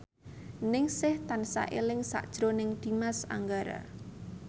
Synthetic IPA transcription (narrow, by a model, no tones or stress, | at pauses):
nɪŋsɪht̪ansa̰ʔelɪŋsa̰ʔd̥ʒ̥ɾonɪŋd̪̥i̤masa̰ŋɡaɾa̰